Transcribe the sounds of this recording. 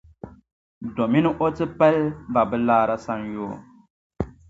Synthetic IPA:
do˨mi˦nɨ˦ʔo˦tɨ˦pɛ˦lba˨bɨ˦laː˦ɾa˦sa˦njoː˦˨

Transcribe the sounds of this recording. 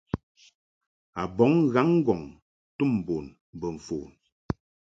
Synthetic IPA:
a˨bɔ˨˦ŋɣa˨˦ŋ̩˦ɡɔ˨ŋ | tu˦˨m˨bo˨n˨ | bə˨ɱ̩˨foː˨

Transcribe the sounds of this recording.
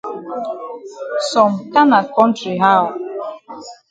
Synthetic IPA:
sɔ˨m̩˨ka˦na˨kɔ˦n̩˦tɾi˨ɦa˦ʊ˨

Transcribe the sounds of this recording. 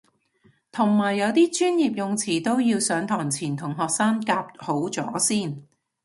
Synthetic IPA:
t̪ʰʊ˨˩ŋmaː˨˩jːɐ˨˧wt̪iː˥t͡ʃyː˥njiː˨p̚jʊ˨ŋt͡sʰiː˨˩t̪o˥wjiː˧wsœː˨˥ŋt̪ʰɔː˨˩ŋt͡sʰiː˨˩nt̪ʰʊ˨˩ŋɦɔː˨k̚saː˥ŋkaː˧p̚ho˨˥wt͡sɔ̰ː˨˥siː˥˩n

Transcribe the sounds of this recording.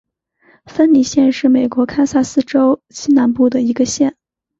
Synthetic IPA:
fə˥nli˨˩ɕjɛ˥˧nʂɻ̩˥˩me˨˩ɪkwɔ˧˥kʰa˥ɪsa˥˩sɹ̩˥˧ʈ͡ʂo˥ʊɕi˥na˧˥npu˥˩d̪ə˩i˧˥ɡə˧ɕjɛ˥˩n

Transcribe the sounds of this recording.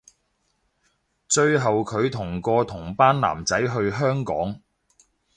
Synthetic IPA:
t͡ʃɵ˧ɥɦɐ˨wkʰɵ˨˧ɥt̪ʰʊ˨˩ŋkɔː˧t̪ʰʊ˨˩ŋpaː˥nla̰ː˨˩mt͡sɐ˨˥jɦɵ˧ɥɦœː˥ŋkɔ̰ː˨˥ŋ

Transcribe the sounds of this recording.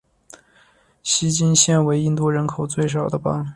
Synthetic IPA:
ɕi˥t͡ɕi˥nɕjɛ˥˩nwe˧˥ɪi˥nt̪u˥˩ɻə˧˥nkʰo˨˩ʊt͡swe˥˩ɪʂ̬ɑ˨˩ʊd̪ə˦pɑ̰˥ŋ

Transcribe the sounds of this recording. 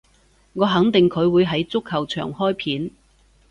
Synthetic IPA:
ŋɔː˨˧ɦɐ˨˥ŋt̪ɪ˨ŋkʰɵ˨˧ɥwuː˨˧jɦɐ˨˧˥jt͡sʊ˥khɐ˨˩wt͡ʃʰœ̰ː˨˩ŋhɔː˥jpʰiː˨˥n

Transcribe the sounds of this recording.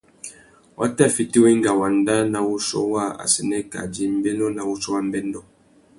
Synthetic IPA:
wʔa̰˦ta˦˨fi˨ti˦wi˦ŋ˦ɡa˨wa˨nda˦na˨wu˦sɔ̰˦wa˦a̰˨sɛ˨nɛ˦ka̰˨d͡ʒi˦m̩˦bɛ˦nɔ˦na˨wu˦sɔ˦wa˦m̩˦bɛ˦ndɔ˦˨

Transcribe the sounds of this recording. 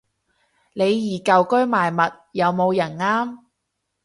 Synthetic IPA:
ne˨˧jːiː˨˩kɐ˨wkɵ˥ɥmaː˨˩jmɐ˨t̚jɐ˨˧wmo˨˧wjɐ˨˩nŋaː˥m

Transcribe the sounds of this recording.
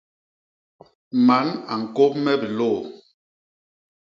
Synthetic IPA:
ma˨˦na˨ŋ̩˨ko˦p̚mɛ˦bi˨lo˦˨

